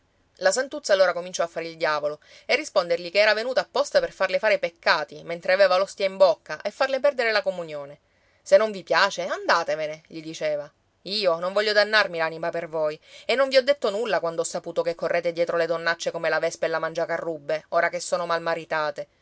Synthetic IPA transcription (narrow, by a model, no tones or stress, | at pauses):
lasant̪ut̪sːalːoːɾakomint͡ʃɔafːaɾeild̪jaːvolo | erːispond̪erʎikeɛːɾavenuːt̪aːpːɔst̪aperfarlefaːɾepekːaːt̪iment̪ɾeaveːvalost̪jaimbokːaʔefːarlep̬ɛrd̪eɾelakomunjoːne | senːõɱvipjaːt͡ʃeand̪aːt̪eveneʎid̪it͡ʃeːva | iːonõɱvɔʎːjːod̪anːarmilanimapervojenːõɱviɔd̪ːet̪ːonulːakwand̪oɔsːapuːt̪okekʰːorːeːt̪ed̪jɛːt̪ɾoled̪onːat͡ʃːekomelavɛspelːamand͡ʒakarːubːeoːɾakesːoːnomalmaɾit̪aːt̪e